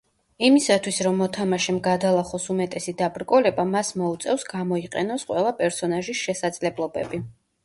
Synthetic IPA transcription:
imisat̪ʰwisɾɔmːɔt̪ʰamaʃɛmɡad̪alˠaχɔsumɛt̪ʼɛsid̪abɾkʼɔlɛbamasmɔut̪sʼɛfsɡamɔiqʼɛ̰nɔsqʼwɛlˠapʼɛɾsɔnaʒisʃɛsad̪zlɛblˠɔbɛbi

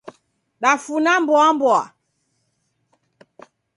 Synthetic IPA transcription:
ɗafunambɔambɔa̰

